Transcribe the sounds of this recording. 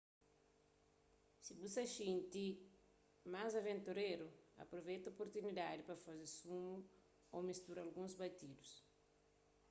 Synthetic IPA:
sibusɐʃĩnt̪i | mazɐvẽnt̪uɾeɾuɐ̰pɾovɛjt̪ɐopoɾt̪unid̪ad̪ipɐfazesumu | omist̪uɾalɡũzbat̪id̪us

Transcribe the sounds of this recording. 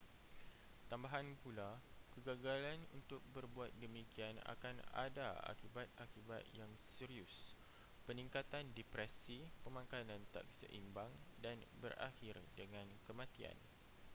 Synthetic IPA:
t̪ambaɦanpulakəɡaɡalanṵnt̪ʊk̚bərbuat̪̚dəmikiana̰kana̰daa̰kibat̪̚akibat̪̚jaŋsiɾiʊs | pənĩŋkat̪andɛpɾɛsipəmãkanãnt̪a̰k̚sə̰ʔḭmbaŋdanbərʔa̰hɪrdəŋãnkəmãt̪ia̰n

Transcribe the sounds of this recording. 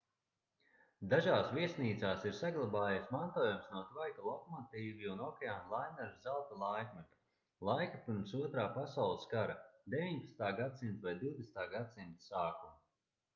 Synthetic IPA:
d̪aʒaːsviɛsniːt̪saːsiɾsaɡlˠabaːjasmant̪oːjumsnuɔt̪ɾajkalˠɔkmat̪iːviunɔkʲeaːnlˠajmɛɾszalˠt̪alˠajkmɛt̪u̥ | lˠajkapiɾmsuɔt̪ɾaːpasawlˠskaɾad̪evʲiɲpatst̪aːɡad̪simt̪vajd̪iwd̪est̪aːɡad̪simt̪ssaːku

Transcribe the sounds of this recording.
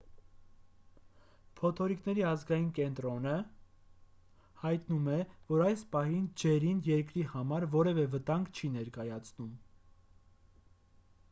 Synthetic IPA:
pʰɔt̪ʰɔɾiknɛɾiɑzɡɑjinkɛnt̪ɾɔnə | hɑjt̪numɛvɔɾɑjspɑɦind͡ʒɛɾinjɛɾkɾihɑmɑɾvɔɾɛvɛvət̪ɑŋɡt͡ʃʰinɛɾkɑjɑt͡sʰnum

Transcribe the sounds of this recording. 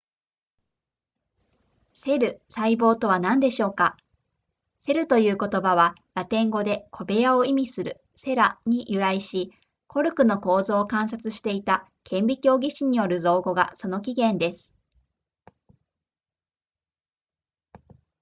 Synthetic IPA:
se̞ɾɯ̟saibo̞ːt̪o̞βanãnd̪e̞ɕo̞ːka | se̞ɾɯ̟t̪o̞jɯ̟ːko̞t̪o̞baβa | ɾat̪ẽ̞ŋɡo̞d̪e̞kʰo̞be̞jaoimʲisɨɾɯ̟̰ | se̞ɾaɲ̟ijʔɯ̟ɾaiɕi | kʰo̞ɾɯ̟kɯ̟no̞ko̞ːzo̞ːkãɰ̃sat͡sɨɕi̥t̪e̞it̪a | kʰẽ̞mbʲikʲo̞ːɡʲiɕiɲ̟io̞ɾɯ̟zo̞ːɡo̞ɡa̰so̞no̞k̬ʲiɡẽ̞nd̪e̞sɨ̥

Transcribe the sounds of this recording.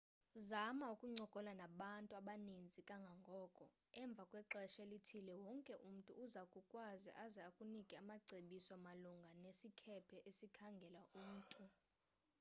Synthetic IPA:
zamaukʼuŋ͡ǀɔɡ̥ʱɔlanaɓantʼuaɓanind͡zʱikʼaŋɡʱaŋɡʱɔːkʼɔ | ɛɱb̪vʱakʼwɛǁɛʃelitʰilɛwɔŋkʼɛʔum̩tʼṵːzakʼukʼwazḭʔazɛakʼunikʼiamaǀʱeɓisɔamaluŋɡʱanesikʰɛpʰɛʔesikʰaŋɡʱɛlaʔum̩ːtʼu

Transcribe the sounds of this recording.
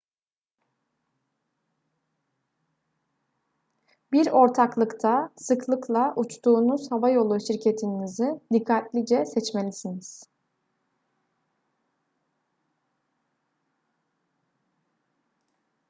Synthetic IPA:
biɾo̞ɾt̪ʰaklˠɯkt̪ʰasɯklˠɯklˠaʔut͡ʃt̪uːnuz̥havajo̞lˠuʃiɾcʰe̞t̪ʰinnizɪd̪ikʰːat̪lʲid͡ʒɛsɛt͡ʃme̞lʲisiniz̥

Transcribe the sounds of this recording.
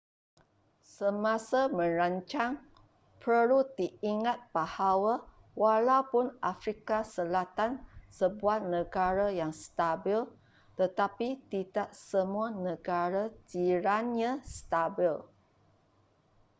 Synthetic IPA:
səmãsamə̃ɾaɲt͡ʃaŋ | pʰəlud̪iiŋat̪̚b̥ahawa | walawpʊnʔafɾikasəlat̪ansəbuat̪̚nəɡaɾajaŋst̪abil | t̪ət̪apit̪idaʔsəmũanəɡaɾad͡ʒiɾanɲãst̪abil

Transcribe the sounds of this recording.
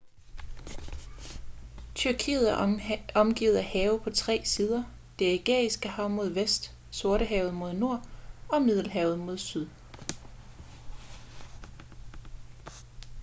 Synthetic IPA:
t͡sʰyɐkʰḭːð̩ˠæɒ̽mɡ̥ḭːð̩ˠæhɛːʊpʰɒ̽t͡sʰʁɛ̰ːsiːð̞ˠɐ | d̥e̝iɡ̥ɛ̰ɐisɡ̥əhɑ̈ʊ̰mo̝ð̞ˠʋesd̥ | so̝ɐɾəɦɛːʊð̩ˠmo̝ð̞ˠno̝ɐ̰ɒ̽mið̞ˠl̩ɦɛːʊð̞̩ˠmo̝ðˠsyð̞ˠ

